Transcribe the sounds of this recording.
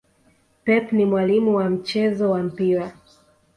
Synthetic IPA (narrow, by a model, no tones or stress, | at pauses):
pɛpnimwalimuwam̩t͡ʃɛzɔwam̩piɾa